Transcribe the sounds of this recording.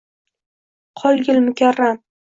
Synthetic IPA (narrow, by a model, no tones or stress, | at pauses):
qʰɒlˠɡʲɪlmʊkʲʰaɾːam